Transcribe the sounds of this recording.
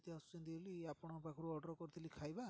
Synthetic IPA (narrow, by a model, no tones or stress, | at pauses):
t̪easu̥t͡ʃind̪iliapɔɽ̃ɔpakʰɔɾuɔɖɔɾkɔɾt̪ʰilikʰajba